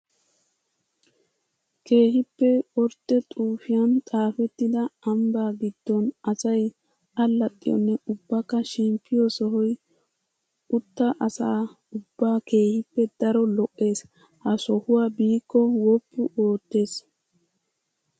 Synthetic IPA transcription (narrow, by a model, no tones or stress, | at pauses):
ke̞ːhɪpːɛɔɾt̪ːɛt̪ʼuːfɪjɐnt̪ʼaːfɛt̪ːɪd̪ɐɐmbaːɡɪd̪̥ːɔnɐsɐj | ɐlːɐt̪ʼːɪ̰jɔ̰nːɛʊbːɐkːɐʃɪmpʰːɪjɔsɔɦɔj | ʊt̪ːɐʔɐsaː | ʊbːaːke̞ːhɪpːɛd̪̥ɐɾɔlɔʔʼːe̞ːs | hɐsɔhʊwaːbiːkːɔwɔpːʊʔoːt̪ːe̞ːs